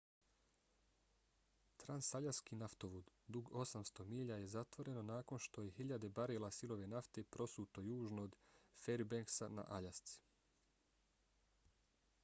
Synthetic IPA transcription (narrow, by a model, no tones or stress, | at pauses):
t̪ɾansaʎaskiːnaft̪o̞ʋud̪ | d̪uɡo̞samst̪o̞miːʎaje̞zat̪ʋo̞ɾe̞no̞naːko̞nʃt̪o̞je̞ɦiʎad̪e̞baɾeːlasilo̞ʋe̞naft̪e̞pɾo̞suːt̪o̞juːʒnoːd̪feɾbeŋksana̰ʔaʎast̪si̥